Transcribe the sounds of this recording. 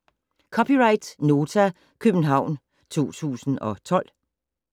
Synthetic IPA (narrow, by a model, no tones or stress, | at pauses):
kʰɒpʰiʁɑ̈ɪd̥no̝ːt͡sʰæ | kʰøb̥n̩ɦɑ̈ʊ̰n | t͡sʰo̝̰ːt͡sʰṵːsn̩ɒ̽t͡sʰɒ̽l̰